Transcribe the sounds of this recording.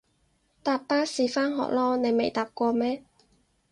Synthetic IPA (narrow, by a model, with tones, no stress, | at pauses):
t̪aː˨pːaː˥siː˨˧faː˥nɦɔ̰ː˨k̚lɔː˥ne˨˧jme˨jt̪aː˨p̚kʷɔː˧mɛː˥